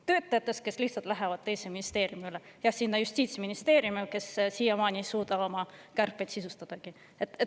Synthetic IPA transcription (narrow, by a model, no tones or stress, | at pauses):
t̪ø̞ːt̪ːˑɑjɑt̪ːˑe̞s̚ke̞slihtsɑlt̪ˑlæɦevɑd̥̪̚t̪e̞jseminist̪e̞ːɾjumiylejɑhsinːɑjusʲt̪ʲiːt̪sminist̪e̞ːɾjumike̞ssijɑmɑːnʲisuːd̪̥ɑo̞mɑkærpːˑejt̪sisust̪ɑd̪̥ɑɡ̥i | et̪ːe